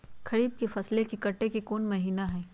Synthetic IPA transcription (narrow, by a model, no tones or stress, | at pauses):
kʰɐɾiːb̚kefɐslekikɐʈːekikoːnmɐɦiːnaɦɛː